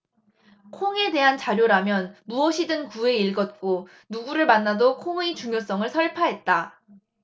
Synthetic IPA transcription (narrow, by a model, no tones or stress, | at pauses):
kʰoŋe̞de̞ɦant͡ɕaɾjoɾamjʌnmuʌɕʰidɯnkue̞iɭɡʌt̚k͈o | nuɡuɾɯɭmanːadokʰoŋɯit͡ɕuŋjos͈ʌŋɯɭsʰʌɭpʰaɦe̞t̚t͈a